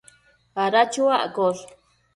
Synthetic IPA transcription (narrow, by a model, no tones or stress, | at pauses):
aɾat͡ʃuaʔkoɾ